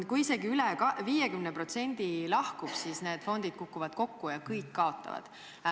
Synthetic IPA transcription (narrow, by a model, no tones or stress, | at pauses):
kujise̞ɡiylɛkɑviːjekymnepro̞t̪se̞nʲd̪̥ilɑhkub̥siːsne̞ːd̪̥fo̞nd̪̥id̪̥kukːuvɑd̪̥ko̞kːujɑkɤjkːɑo̞t̪ːˑɑ̰vɑ̰d̪̥